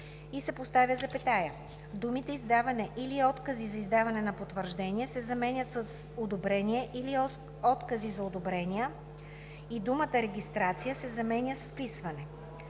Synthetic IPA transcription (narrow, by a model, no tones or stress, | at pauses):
isɛpost̪avʲjəzɐpɛt̪ajə | d̪umit̪ɛizd̪avɐnɛʔiliɔt̪kəzizɐizd̪avɐnɛnɐpot̪vəɾʒd̪ɛniɛsɛzɐmɛnʲət̪ss | od̪obɾɛniɛʔili | ɔt̪kəzizɐod̪obɾɛnijə | id̪umət̪əɾɛɡ̟ʲist̪ɾat̪sijəsɛzɐmɛnʲjəsfpisvɐnɛ